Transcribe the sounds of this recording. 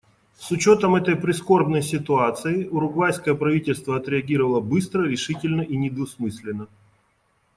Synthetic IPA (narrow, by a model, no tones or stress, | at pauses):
sʊt͡ɕo̞t̪əmɛt̪əjpɾʲɪsko̞rbnəjsʲɪt̪ʊat̪sɨɪʔʊɾʊɡvajskəjəpɾɐvʲitʲɪlʲst̪vəɐt̪ɾʲɪɐɡʲiɾəvəlˠəbɨst̪ɾəɾʲɪʂɨtʲɪlʲnəʔinʲɪd̪ʊsmɨsʲlʲɪnːə